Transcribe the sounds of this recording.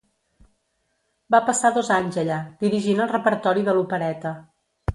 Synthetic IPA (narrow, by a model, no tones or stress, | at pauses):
bapəsaðɔzaɲzəʎad̪̥iɾiʒinəlˠrəpəɾt̪ɔɾiðəlupəɾɛt̪ə